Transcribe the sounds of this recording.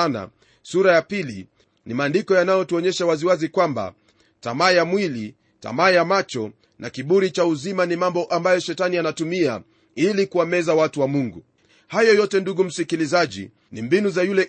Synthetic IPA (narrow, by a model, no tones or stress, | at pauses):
na̰ | suɾajapilḭ | nimaːndikɔjanajɔtuɔɲɛʃawaziwazikwamba̰ | ta̰maːjamwili | ta̰majamat͡ʃɔ | nʔakiɓuɾit͡ʃauzimanimambɔʔambajɔʃɛtanianatumia | ilikuamɛzawatuwamuŋɡu | hajɔjɔtɛnduɠum̩sikilizaʄḭ | nimbinuzajulɛ